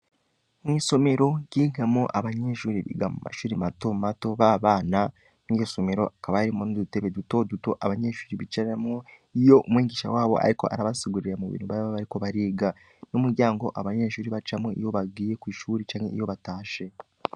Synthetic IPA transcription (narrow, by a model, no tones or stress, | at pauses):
mwiːso̞me̞ɾo̞ɟiːɡamoʔaβaɲeʃuːɾiβḭɡamṵma̰ʃuːɾimato̞mato̞βaβaːna | nijo̞so̞me̞ɾo̞̰ʔakaβajaɾimonudute̞βe̞duto̞duto̞ʔaβaɲe̞ːʃuːɾiβit͡ʃaɾamo | ijo̞ʔumwiːɡiːʃa̰waːβo̞̰ʔa̰ɾiko̞̰ʔa̰ɾaβasiɡuɾiɾemuβḭːnhuβaβaβaɾiko̞βaɾiːɡa | numuɾɟaːŋɡo̞ʔaβaɲeʃuːɾiβat͡ʃamoʔḭjo̞βaɡiːje̞kwiːʃuːɾit͡ʃaːɲhe̞̰ijo̞βataːʃe̞